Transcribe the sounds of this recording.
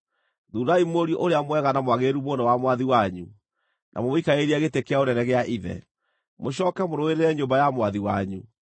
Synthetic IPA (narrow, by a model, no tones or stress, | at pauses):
ðuɾaimoɾiɔʔoɾeamwɛɣanamwaɣeɾumonɔwamwaðiwaɲu | nʔa̰mɔmoikaeɾiaɣetekeaonɛnɛɣeaʔiðɛ̰ | moɕ̬ɔːkɛmoɾoeɾeɾɛɲombajamwaðiwa̰ɲu